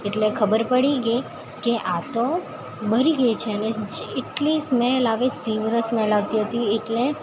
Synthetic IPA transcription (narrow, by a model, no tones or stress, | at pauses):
eʈlekʰəbəɾpəɽiɡəi | keʔat̪o | bəɾiɡəit͡ʃʰeəneeʈlisməjlaʋet̪iʋəɾəsməjlaʋt̪iɦət̪ieʈle